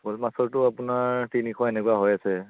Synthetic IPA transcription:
bolmasɔɹtʊapʊnaɹtinikʰɔaenɛkwaɦɔjasɛ

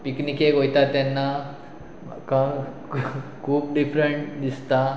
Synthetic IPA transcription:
piknikeɡojt̪at̪ːjanːa | kã | kʰuːp̚ɖifɾəɳʈd̪ist̪a

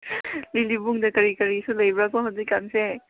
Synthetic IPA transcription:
lilibuŋdɐkɐɾikɐɾisulɐjbɾakɔɦazikːanse

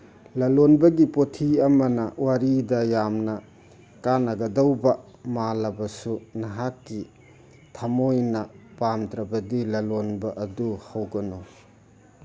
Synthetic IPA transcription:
lɐlonbɐɡipotʰiɐmɐnɐwaɾidɐjamnɐ | kanɐɡɐdɐwbɐ | malɐbɐsunaɦakːi | tʰamojnɐpamtɾɐbɐdilɐlonbɐʔɐduhawɡɐno

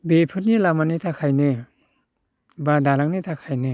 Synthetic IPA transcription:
bepʰɯt̚nilamanitʰakʰajnɯ | badalaŋnitʰakʰajnɯ

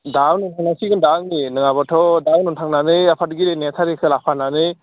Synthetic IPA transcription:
dawnɔntʰaŋnasiɡɯndaŋninɯŋabɔtʰɔdawnɔntʰaŋnanɯjapʰadɯɡiɾenetʰaɾisalapʰananɯj

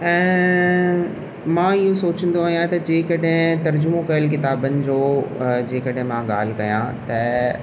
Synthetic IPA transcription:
ɛ̃ː | mãɪɦõsoːt͡ɕə̃n̆d̪oaːɦijãt̪ɐd͡ʑeːkɐɗɦɪ̃t̪ɐɾd͡ʑʊmokɐjəlk̬ɪt̪aːbənɪ̆d͡ʑoːd͡ʑeːkɐɗɦɪ̃mãɠa̰ːl̤ɪ̆kɐjã̰t̪ɐ

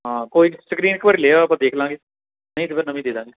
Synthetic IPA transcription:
ɦãːkoːisəkɾiːnɪkbəɾileːaːpãːd̪eːkʰlãːŋɡeː | nəĩt̪ʰɪpʰɪɾnəmĩːd̪eːd̪ãːŋɡeː

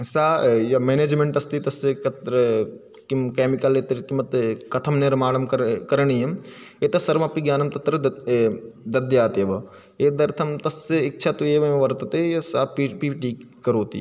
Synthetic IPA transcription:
saːjɐmeːneːd͡ʒmeɳʈɐst̪it̪ɐskɐt̪ɾ | kimkeːmikɐleːt̪ɐɾkimːɐt̪kɐt̪ʰɐmneɾɐmaːɽɐmkɐkɐɾɳiemeːt̪ɐsɐɾmɐpiɡjaːnɐmt̪ɐt̪ɾɐ | d̪ɐd̪jaːt̪eːʋɐ | eːd̪ɐɾt̪ʰɐmt̪ɐsɪk̚t͡ʃʰat̪ueːʋɐʋɐɾt̪ɐt̪ejɐsaːpipiːʈiːkɐɾoːt̪ḭː

